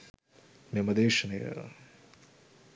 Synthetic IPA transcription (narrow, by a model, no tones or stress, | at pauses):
mɐmɐd̪eːʂɐnɐjɐ̰